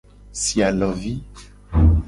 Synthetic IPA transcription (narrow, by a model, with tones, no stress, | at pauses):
sia˨lɔvi˦